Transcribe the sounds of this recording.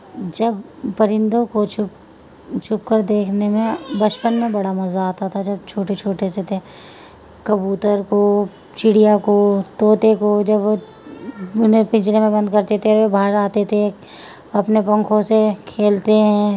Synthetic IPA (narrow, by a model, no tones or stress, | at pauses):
d͡ʒɐbpɐɾɪ̃nd̪õkot͡ʃʊ | t͡ʃʰʊp̚kəɾd̪eːkʰnemẽbɐt͡ʃpənmẽbɐɽamɐzaːt̪at̪ʰad͡ʒɐb̚t͡ʃʰoːʈet͡ʃʰoːʈeset̪ʰe | kɐbuːt̪əɾko | t͡ʃɪɽijakot̪oːt̪ekod͡ʒɐbʋo | ʊnẽpɪ̃t͡ʃnemẽbɐ̃nd̪̚kɐɾt̪et̪ʰeobʱaːɾaːt̪et̪ʰe | ɐpnepɐ̃ŋkʰõsekʰeːlt̪eɦɛ̃